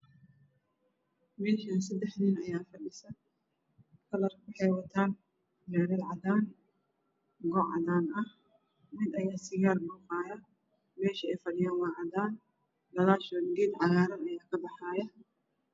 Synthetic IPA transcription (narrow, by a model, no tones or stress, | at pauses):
mɛːʃɐns̬ɐd̪ɛħnɪnɐjaːfɐɗɪsɐ | kʰɐlɐrkʊħɛjwɐt̪ʰaːn | mɛːɾɐd̪ʕɑðaːn | ɡɔʕɑ̰ðaːnʔɐh | mɪd̪ɐjaːsɪɣaːlbuːqaːjɐ | mɛːʃɐɛjfɐɖɪjaːnwɑːʕɑdaːn | d̪ɐlaːʃɔːd̪ɡiːd̪ʕɑjaːɾɐnɐjaːkʰɐbɑħaːjɐ